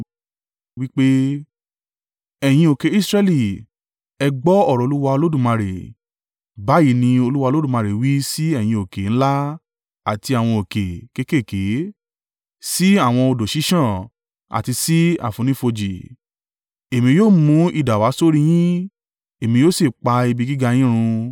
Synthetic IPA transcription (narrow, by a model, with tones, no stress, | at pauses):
wi˦k͡pe˦ | ɛ˨j̃ĩ˧o˨ke˨i˦˨sɾɛ˧li˨ | ɛ˧ɡ͡bɔ˦ɔ˦˨ɾɔ˨˧lu˦wa˧o˧lo˦dũ˦˨mã˧ɾe˨ | ba˨˦ji˨˦nĩ˧o˧lu˦wa˧lo˦dũ˦˨mã˧ɾe˨wi˦si˦ɛ˦˨j̃ĩ˧o˨ke˨ñ̩˦la˦ | a˨ti˧a˨w̃ɔ̃˧o˨ke˨ke˧˦ke˦˨ke˨˦ | si˦a˦˨w̃ɔ̃˧o˧do˨ʃi˨˦ʃã˦˨ | a̰˨ti˧si˦a̰˨fũ˧nĩ˦fo˧d͡ʒi˨ | e˨mĩ˧joː˦˨mũ˧˦i˨da˨wa˨˦so˦ɾi˧j̃ĩ˦ | e˨mĩ˧joː˦si˦˨k͡pa˧i˧bi˧ɡi˦ɡa˧j̃ĩ˦ɾ̃ũ˧